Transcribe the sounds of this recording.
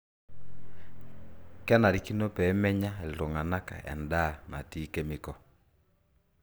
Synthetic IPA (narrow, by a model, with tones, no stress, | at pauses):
kɛ˦na˨ɾi˨ki˦nɔ˦pɛ˨˦mɛ˦ɲa˦ɛ˨lto˨ŋa˨na˦ka̰˨ʔɛ̰˨nda˦˨ma̰˨ti˦kɛ˦me˨kɔ˨